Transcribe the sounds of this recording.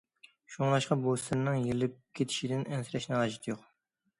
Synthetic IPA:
ʃuŋlˠɑʃqɑbost̪ɨnnɨŋjelɪp̚kʲʰet̪ʰɪ̥ʃid̪ɪnʔɛnsɪɾɛʃnɨɑːʒit̪ʰjoq

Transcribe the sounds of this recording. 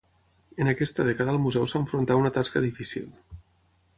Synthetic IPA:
ənakɛst̪əðɛkəðəːlˠmuzɛwsaːɱfɾont̪aunət̪askəðifisḭlˠ

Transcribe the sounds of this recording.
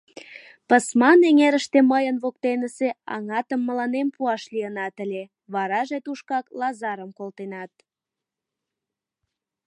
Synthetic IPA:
pəsmɑneŋeɾəʃt̪eməjənβok̚t̪enəseɑ̰ŋɑt̪əmːəlɑnempuɑʃliənɑt̪əlʲe | βɑɾɑʒet̪uʃkɑklɑzɑɾəmkolt̪enɑt̪̚

